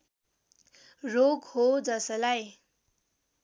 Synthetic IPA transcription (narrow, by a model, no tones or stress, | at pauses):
roɡhod͡zʌsʌlaj